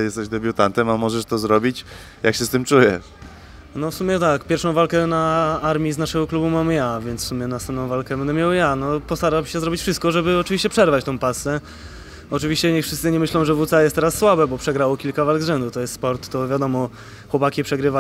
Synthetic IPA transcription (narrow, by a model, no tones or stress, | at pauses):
jɛst̪ɛʑd̪ɛbʲjut̪ant̪ɛmamɔʐɛʂt̪ɔzɾɔbʲit͡ɕ | jakɕɛst̪ɘmt͡ʂujɛ | nɔfsumʲɛt̪akpʲjɛɾfʂɔ̃w̃valkɛnaaɾmʲiznaʂɛɡɔklubumamjavʲjɛnt̪fsumʲjɛnast̪ɛmtnɔ̃w̃valkɛbɛnd̪ɛmʲjawjanɔpɔst̪aɾabɕɛzɾɔbʲit͡ɕʲfʂɘst̪̚kɔʐɛbɘɔt͡ʂɨvʲiɕt͡ɕɛpʂɛɾvat͡ɕt̪ɔ̃w̃pasɛ | ɔt͡ʂɨvʲiɕt͡ɕɛɲɛxfʂɘst̪sɘɲɛmɘɕlɔ̃w̃ʐɛvut̪sajɛst̪ːɛɾasːwabɛbɔpʂɛɡɾawɔkʲilkavalɡzʐɛnd̪ut̪ɔjɛst̪spɔɾt̪ːɔvʲjad̪ɔmɔ | xwɔpakʲipʂɛɡɾɘva